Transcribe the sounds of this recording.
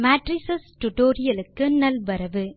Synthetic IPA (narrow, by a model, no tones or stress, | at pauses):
maːʈɾɪsɐsʈʊʈoːɾɪjɐlɯkːɯnɐlbɐɾɐʋɯ